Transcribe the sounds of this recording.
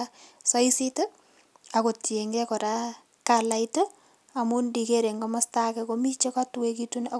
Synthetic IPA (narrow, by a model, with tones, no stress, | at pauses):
asɔ˦isito˦ | ako˨tje˨ŋɡɛ˦kɔ˨ɾa˦ | kala˨ito | a˨mundi˨ke˦ɾe˨ŋɡoma˦stakɛkomi˦t͡ʃe˦ka˦twekituna˨